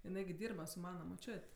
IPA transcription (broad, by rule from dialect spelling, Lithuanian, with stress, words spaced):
jɪˈnɐɪ ɡʲɪ ˈdʲiːrbɐ sʊ ˈmɑːnɐ moːˈt͡ʃʲoːtʲ